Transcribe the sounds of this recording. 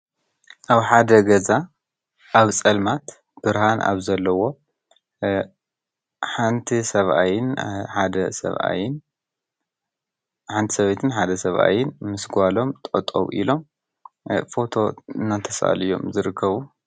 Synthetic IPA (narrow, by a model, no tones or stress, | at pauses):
ʔaβħad̪ɐɡɐza | ʔaβt͡sʼɐlmat̪ | b̥ɨɾhanʔa̰βzɐlːɐwo̞ | ħant̪ʰisɐβʔa̰jɪnħad̪ɐsɐ̰βʔa̰jɪn | ħant̪ʰisɐβet̪ʰɨnħad̪ɐsɐβʔa̰jɪnmɨsɡʷalo̞mt̪ʼot̪ʼo̰wʔḭlo̞m | fo̞t̪ʰo̞ɨnːat̪ʰɐsa̰lijo̞̰mzɨɾɨkʰːɐβu